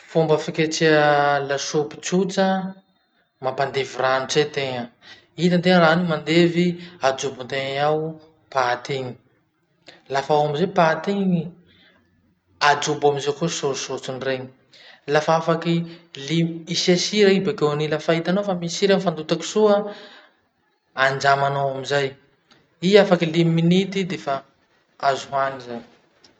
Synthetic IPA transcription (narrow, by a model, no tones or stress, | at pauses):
fumbəfikʲet͡seəlaʃopi̥t͡sut͡sə | mapand̪eviranit͡set̪eŋə | it̪ant̪eŋəɾanimand̪eviad͡ʒubunt̪eŋaw | pat̪iŋi̥ | lafawamizepat̪iŋ | ad͡ʒubamizakosoɾsot͡sunreɲi | lafafakilimisasiɾaibekeanilafait̪anofamisiɾamfand̪ut̪aki̥suə | and͡ʒamanowamizaj | iafakilimiminit̪id̪efa | azuɦaniza